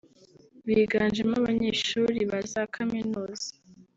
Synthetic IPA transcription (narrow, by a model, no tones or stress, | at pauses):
βiːɡaːnd͡ʒemaβaɲeːʃuːɾiβazakʰaminuːzḁ